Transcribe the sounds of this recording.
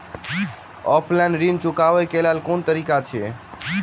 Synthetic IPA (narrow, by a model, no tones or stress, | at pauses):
ɔ̰pʰlɛ̃nɖɾint͡ʃʊkaʋekelalkont̪əɾiːkat͡ʃʰe